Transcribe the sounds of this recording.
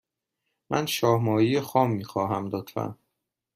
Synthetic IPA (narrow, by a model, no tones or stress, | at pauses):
mʔænʃɒːhmɒːjijexɒːmːiːxɒːɦæmd̪ɒːt̪fæ̰